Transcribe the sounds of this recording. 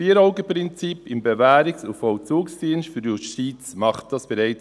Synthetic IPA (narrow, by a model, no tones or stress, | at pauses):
iːɾɔʊɡəpɾɪnt͡sipɪmbevæːɾɪksʊfɔwt͡suːksd̥iənʃtfyɾdjuʃtiːt͡smɑχt̚d̥ɑsb̥ɛɾɛɪ